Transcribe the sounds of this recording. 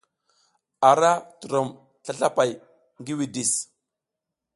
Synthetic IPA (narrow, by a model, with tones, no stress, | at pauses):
a˨ɾa˦tu˨ɾo˨m | ɬa˦ɬa˦pa˨j | ŋɡi˦wi˨di˨s